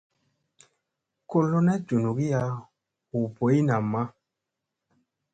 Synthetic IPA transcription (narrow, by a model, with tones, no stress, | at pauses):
ko˦lo˦nɛ˦d͡ʒu˨nu˨ɡi˦ja˨ | u˨po˨˦i˦na˨mːa˦